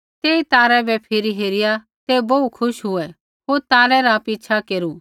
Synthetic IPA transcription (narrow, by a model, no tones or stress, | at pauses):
t̪eːit̪aːɾɛbɛpʰɪɾiɦeːɾɪja | t̪ebɐukʰʊʃɦʊɛ | ɦoːɾt̪aːɾɛɾaːpiːt͡ʃʰakeːɾu